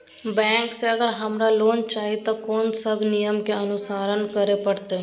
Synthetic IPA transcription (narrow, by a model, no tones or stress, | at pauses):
bɛ̃ːŋkseəɡəɾɦəmɾaloːnt͡ʃaːit̪akoːnsəbnɪjəmkeənʊsaːɾənkəɾepəɽt̪eː